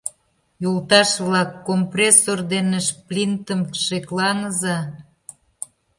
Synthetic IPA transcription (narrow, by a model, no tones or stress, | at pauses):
jult̪ɑʃβlɑkːomprʲesord̪enəʃplʲint̪əmʃeklɑŋəzɑ